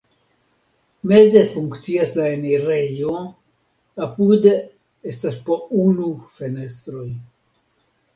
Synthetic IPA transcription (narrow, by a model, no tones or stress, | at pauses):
me̞ze̞fuŋkt͡siaslaeneɾe̞jo | apude | estaspounufe̞ne̞st̪ɾo̞j